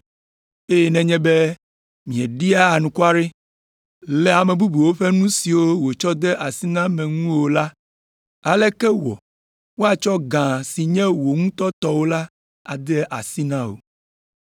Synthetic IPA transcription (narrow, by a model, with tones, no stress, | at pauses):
e˦jɛ˨nɛ̃˨ɲɛ̃˦be˦ | mĩ˨ɛ˨ɖi˦a˦a˨nũ˨ku˦a˦ɖe˦ | lɛ˨a˨mɛ̃˨bu˦bu˨wo˦ɸe˦nũ˦si˨wo˦wo˨t͡ʃɔ˦d̪ɛ˦ʔa˨si˦nã˦mɛ̃˨ŋũ˦o˨la˦ | a˨lɛ˦kɛ˦wɔ̰˨ | wo˦a˨t͡ʃɔ˦ɡã˨si˨ɲɛ̃˦wo˨ŋũ˦t̪ɔ˦t̪ɔ˦wo˦la˦ | a̰˨d̪ɛ˦ʔa˨si˦nã˦wo̰˨